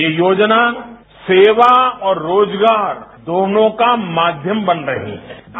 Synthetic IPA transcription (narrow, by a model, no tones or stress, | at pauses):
ejoːd͡ʒna | seːʋaɔːɾːoːd͡ʒɡaːɾd̪oːnõkamaːd̪ʱjəmbɐnɾɐɦḭ̃ɦɛ